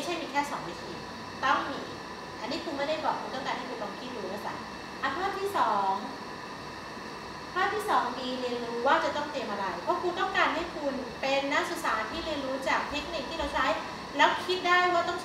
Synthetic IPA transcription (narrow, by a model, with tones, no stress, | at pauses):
jt͡ɕʰa˥˩miː˧kʰɛː˥˩sɔː˩˦ŋwiː˦˧t̪ʰḭː˧ | t̪ɔ˥˩ŋmiː˧ | t̪aː˧˩nːiː˦˥kʰu˧nma˥˩jda˥˩jbɔː˨˩k̚ʰu˧nt̪ɔ˥˩ŋkaː˧nha˥˩jkʰu˧nlɔ˧˩ŋkʰi˦˥ɾuː˧ɾuː˧˩a˧˥˩sa̰˨˩˦n | ʔa˧˩pʰaː˥˩p̚t̪ʰiː˥˩sɔː˩˦ŋ | pʰaː˥˩p̚t̪ʰiː˥˩sɔː˩˦ŋmiː˧ɾi˧ənɾuː˦˥waː˥˩t͡ɕa˨˩t̪ɔ˥˩ŋt̪e˧mʔa˧ɾa˧jpʰɔ˦˥kʰu˧t̪ɔ˥˩kaː˧nha˥˩jkʰu˧npe˧nːa˦˥ksu˨˩t̪̚saː˩˦nt̪ʰiː˥˩ɾi˧ənɾuː˦˥t͡ɕaː˨˩k̚t̪ʰe˦˥k̚ni˨˩k̪̚ʰiː˥ɾa˧wt͡ɕʰa˦˥j | lɛː˦˥wkʰi˦˥t̪̚daː˥˩jwaː˥˩t̪ɔ˥˩ŋ